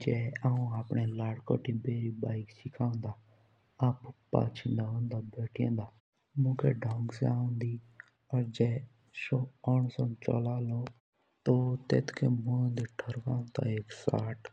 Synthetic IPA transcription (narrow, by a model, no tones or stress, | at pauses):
d͡ʒɛːaːũaːpɳelaːɽkɔ̰ːʈʰibeːɾibaːɪksɪkʰãːnd̪aː | aːpʊpːa̰ːt͡ʃʰĩnd̪aõːnd̪abeːʈʰijḛ̃ːnd̪aː | mũːkʰḛɖʱɔ̃ːŋɡsaːũnd̪iː | ɔɾd͡ʒɛː | ʃoːɔːɳsɔ̃nt͡ʃɔ̰laːlõ | t̪ot̪ḛːt̪kʰemũẽːnd̪eʈʰəɾkãːnt̪a̰eːksaːʈ